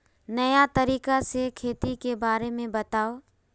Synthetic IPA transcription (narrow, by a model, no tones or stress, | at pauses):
nɐjat̪ɐɾiːkasekʰeːt̪ikebaːɾemẽbɐt̪aːo